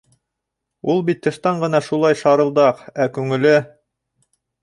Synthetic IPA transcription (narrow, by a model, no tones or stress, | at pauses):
ulˠbit̪ʰːɤ̆ʃt̪ɑɴɢɤ̆nɑʃulˠɑjʃɑɾɤ̆lˠd̪ɑqækʉŋɘ̆lɘ